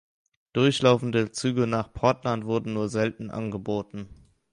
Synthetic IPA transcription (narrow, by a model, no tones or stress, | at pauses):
d̥ʊɐçlaʊfn̩dət͡syːɡənaːχpʰɔɐtlantv̥ʊɐdn̩nuːɐzɛltn̩ʔa̰nɡəboːtn̩